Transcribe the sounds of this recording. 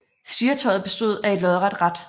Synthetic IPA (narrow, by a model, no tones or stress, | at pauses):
siːɐt͡sʰɒ̽ɪð̩ˠb̥e̝sd̥o̝ð̞̰ˠæe̝d̥lɒðˠʁad̥ʁad̥